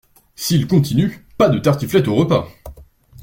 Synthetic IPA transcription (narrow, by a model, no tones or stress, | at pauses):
silkɔ̃t̪inypad̪ət̪aʁt̪iflɛt̪oʁəpa̰